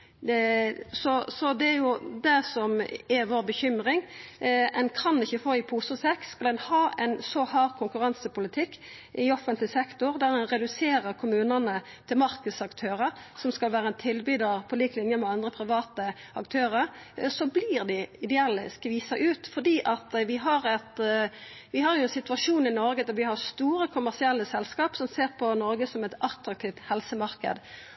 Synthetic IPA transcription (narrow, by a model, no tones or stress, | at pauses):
sɔsɔd̪ɛæɾjʊd̪ɛsɔmɛʋoːʁbəçʏmʁɪŋʔɛnkʰɑnɪçəfoːɪpʰuːsʊsɛkskɑlɛnhɑːʔɛ̰nsɔhɑːʁkʰʊŋkʉʁɑnsəpʊlɪt̪ʰɪkː | ʔɪɔfənt̪lɪsɛkt̪ʊʁd̪æːʁɛnʁɛd̪ʉseːɾəʁkʰʊmʉːnənə | t̪ʰɪlmɑɾkəsɑkt̪ʰøːʁəɾsɔmskɑlʋæːʁəɛnt̪ʰɪlbyːd̪əʁpʰɔliːklɪnjəmɛɑnd̪ʁəpʰɾɪʋɑːt̪ə | ɑkt̪ʰøːʁəʁsɔbliːʁd̪ɪɪd̪ɛɛlːəskʋiːsɑʔʉːt̪fɔd̪iːʔɑt̪ʋɪɦɑʁɛt̪ | ʋɪɦɑʁjʊɛnsɪt̪ʉɑʂuːnɪnɔɾɡəd̪æʁʋɪhɑʁst̪uːʁəkʰʊmæʁsɪɛlːəsɛlskɑːpsɔmseːʁpʰɔnɔɾɡəsɔmɛt̪ɑt̪ɾɑk̚t̪ʰiːʋt̪hɛlsəmɑʁkə̰d̪